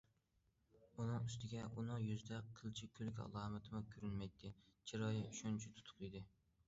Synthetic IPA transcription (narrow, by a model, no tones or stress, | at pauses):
unɨŋyst̪ʰɪɡʲɛʔunɨŋjyzd̪ɛqʰːəlˠt͡ʃʰikʲʰølykʲɑ̰lˠɑːmɨt̪ʰɨmʊkʲʰøɾynmɛjt̪ʰːɪt͡ʃʰiɾɑjɪyʃɔnt͡ʃʰit̪ʰu̥t̪ʰʊ̥qid̪ɪ